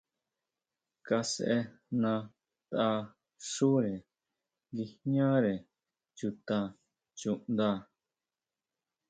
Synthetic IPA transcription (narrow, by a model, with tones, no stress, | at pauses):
ka˧se˧ʔe˧ | nã˧ | t̪a˧ | ʂu˦ɾe˨ | ɡi˧hɲã˦ɾe˨ | t͡ʃu˧t̪ã˧ | t͡ʃu˧˨ʔnd̪a˦˧˨